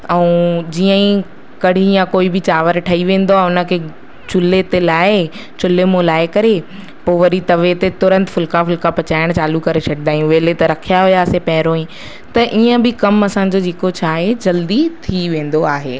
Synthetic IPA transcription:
ɛ̃ũːd͡ʑiːə̃ĩ | kɐɽ̤ʱĩjãkoːibɪt͡ɕaːʋəɾʈʰɐiʋẽːn̆d̪oaʊnə̆kʰeː | t͡ɕʊlet̪elaːɪ | t͡ɕʊlemõlaːɪkɐɾe | poːʋɐɾit̪ɐʋet̪et̪ʊɾə̃nt̪fʊlkafʊlkapɐt͡ɕaːɪɽ̃t͡ɕaːlukɐɾesɐɡd̪aːɦijũʋeːlet̪ɐɾɐkʰijaɦʊjaːsepɐɦɪɾoːĩ | t̪ɐʔiːə̃bɪkɐmɐsãːɲ̆d͡ʑod͡ʑeːkot͡ɕʰaːɦed͡ʑɐld̪it̪ʰiʋẽːn̆d̪oaːɦḛː

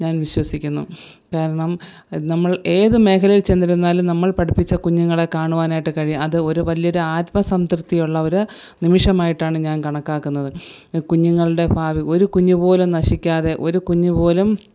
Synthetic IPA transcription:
ɲaːnʋiɕwɐsikʲːunːṵ | kaːɾɐɳɐm | nɐmːɐɭe̞ːðɨme̞ːkʰɐlɐjilt͡ɕe̞nːiɾunːaːlumnɐmːɐɭpɐɽʰipːit͡ɕːɐkuɲːuŋːɐɭe̞kaːɳuʋaːnaːjiʈːɨkɐɻijumɐðɨo̞ɾuʋɐlijɐo̞ɾuaːt̪mɐsɐmt̪rɨt̪ːijuɭːɐo̞ɾu | nimiʂɐmaːjiʈːaːɳɨɲaːnkɐɳɐkːaːkːunːɐðɨ | kuɲːuŋːɐɭɨɽe̞bʱaːʋiʔo̞ɾukuɲːupo̞ːlumnɐʂikʲːaːðe̞ʔo̞ɾukuɲːupo̞ːlum

